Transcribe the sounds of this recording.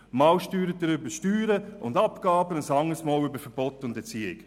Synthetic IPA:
mɑwʃtyːɾət̚dəɾʏbəʃtyːɾəʔʊndɑpkɑːbənəsɑŋəsmɔːlʏbəɾfəɾb̥ɔtʊndɛt͡siːɪ̰k

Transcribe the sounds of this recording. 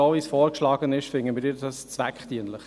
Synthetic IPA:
oːviːsfɔːɾkʃlɑːɡənɪʃfɪŋənmɪɾiːɾdɑst͡svækχt̪iənləχ

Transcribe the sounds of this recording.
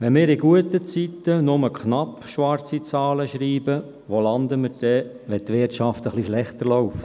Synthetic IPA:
ʋɛnmɪːɾɪɡuət̪ət͡sit̪ːənʊməkχnɑp | ʃʋɑrt͡sit͡sɑːləʃɾiːbə | ʋolɑnd̪əməɾd̥ɛ | ʋɛt̪ʋɪtt͡ʃɑft̪əχliʃlɛχt̪əɾlɔʊf

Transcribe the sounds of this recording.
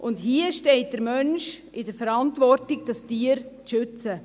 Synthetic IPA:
ʔʊndɦiəʃtɛɪt̚d̥əɾmœnʃ | ɪdəɾfɛɾɑntvɔɾtɪɡ̚d̥ɑstiːəɾ | ʃʏt͡sə

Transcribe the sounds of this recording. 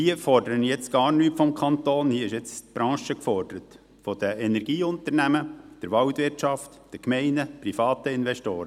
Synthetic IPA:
hiəfɔɾd̥əɾənjɛt͡sɡ̥ɑːɾnyːtfɔmkʰχɑnt̪oːnhiəɪʃɛt͡stb̥ɾʔɑ̃ːʃəkfɔɾd̥əɾət | fɔd̥̪əʔɛnɛɾɡ̥iːʊnt̪ənæməd̥əɾʋɑwt̪ʋɪrtt͡ʃɑft | d̥əkmɛɪnəpɾifɑːt̪əɪnʋɛʃtoːɾə

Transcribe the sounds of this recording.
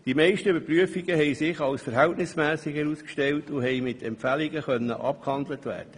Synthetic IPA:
d̥imɛɪʃtəybəɾpryəfiɡəɦɛɪsɪχɑlsfəɾɦɛltnɪsmɛːsɪɡhɛɾuːskʃtɛltʊɦɛjmɪtʰɛmpfæliɡəχœnːə̰ʔɑ̰p̚khɑnd̪lətʋæ̰ːɾd̥ə

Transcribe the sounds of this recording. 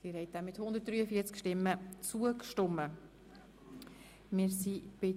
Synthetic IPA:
siːɾhɛɪt̚amɪt̪hʊnd̪əɾt̚d̥ɾyːəfiːət͡skʃtɪmːət͡suəkʃtʊmːə | mɪɾsib̥ɪ

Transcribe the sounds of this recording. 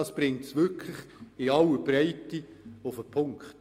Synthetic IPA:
ɑsb̥ɾɪŋtsʋʏkʰləχɪɑlːəbɾɛɪtːiʊfəpʰʊŋkχt

